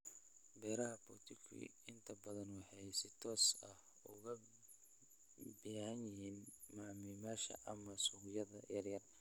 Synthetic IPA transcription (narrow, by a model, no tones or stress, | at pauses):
bɛːɾɐɦɐbɔːt̪ʰɪkʰʊ̰ɪnt̪ʰɐbɐðɐnwɑħɑjsɪt̪ʰɔːsɐh | ʊɣɐ | bɛʕɐnjɪɦiːn | maʕmiːmaːʃɐ̰ʔɐmɐsʊɣɪjɐðɐjɐrjɐr